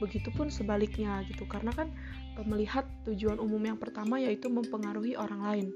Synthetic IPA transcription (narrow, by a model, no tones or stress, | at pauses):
bəɡit̪upʊnsəbalɪk̚ɲaɡit̪ukaɾənakan | əməlihat̪ːud͡ʒuanumʊmjaŋpərt̪amajait̪uməmpəŋaɾuɦiʔoɾaŋlaɪn